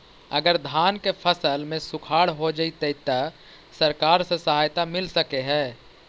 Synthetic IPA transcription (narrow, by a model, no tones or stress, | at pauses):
ə̰ɡəɾd̪ʱaːnkepʰəsəlmẽsʊkʰaːɽɦod͡ʒəit̪eɪt̪ə | səɾkaːɾsesəɦaːjt̪amɪlsəkeɦɛ̃ː